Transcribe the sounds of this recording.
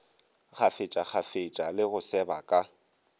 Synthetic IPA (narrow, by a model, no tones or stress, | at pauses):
k͡xʰafɪt͡ʃʼak͡xʰafɪt͡ʃʼalɪɣʊsɛbakʼa